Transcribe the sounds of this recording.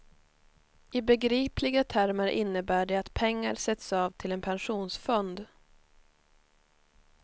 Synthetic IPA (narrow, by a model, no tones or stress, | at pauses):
ɪbɛɡɾiːpʰlɪɡat̪ʰæɾmaɾʔɪ̰nːəbæːɖɛat̪pʰɛŋːaɾsɛt̪sɑːvt̪ʰɪlɛnpʰɛnɧuːnsfɔnd̪